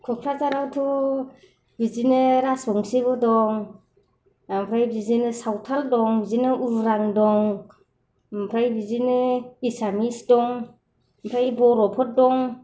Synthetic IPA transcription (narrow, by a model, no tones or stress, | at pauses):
kʰɔkʰɾat͡ʃaɾawtʰu | bizinɯɾasbɔŋsibɯdɔŋ | ampʰɾajbizinɯsawtʰaldɔŋbizinɯʔuɾɾaŋdɔŋ | pʰɾajbizinɯisamisdɔŋ | pʰɾajbɔɾɔpʰɔt̚dɔŋ